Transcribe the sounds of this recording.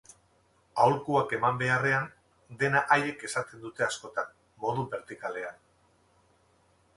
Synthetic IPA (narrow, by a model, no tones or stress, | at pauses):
awlkuake̞mambe̞are̞an | d̪e̞naʔaje̞ke̞sat̪e̞nd̪ut̪e̞asko̞t̪an | mo̞ðube̞ɾt̪ikale̞an